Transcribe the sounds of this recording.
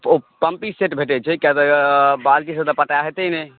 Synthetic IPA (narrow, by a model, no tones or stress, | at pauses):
opəmpiseʈbʱeʈɛt͡ʃʰɛkat̪ɔbalʈis̬ə̃t̪əpəʈaɦet̪ɛinɛ